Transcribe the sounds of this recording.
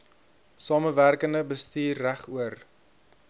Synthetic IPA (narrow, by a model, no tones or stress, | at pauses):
sɑːməværkəndəbəstiːrːæχuər